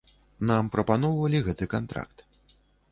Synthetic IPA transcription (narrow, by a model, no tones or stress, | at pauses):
nampɾɐpanɔwvɐlʲiɣɛt̪ɨkant̪ɾa̰kt̪